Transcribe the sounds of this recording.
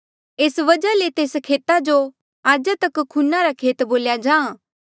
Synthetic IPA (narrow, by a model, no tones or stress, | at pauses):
eːsʋɐd͡ʒalet̪eːskʰeːt̪ad͡ʒo | aːd͡ʒat̪ɐkkʰːunaɾakʰeːt̪boːljad͡ʒãː